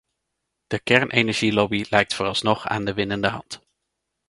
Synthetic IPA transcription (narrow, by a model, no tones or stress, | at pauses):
d̥əkɛɹnʔenɛɹʒilɔbilɛjk̚tfʊːrɑlˠsnɔχa̰ːndəʋɪnəndəɦɑnt